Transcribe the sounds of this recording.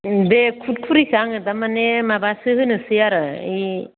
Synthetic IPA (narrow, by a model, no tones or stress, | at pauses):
dekʰut̚kʰuɾikaŋɯt̪amanemabasɯhɯnɯsɯjaɾai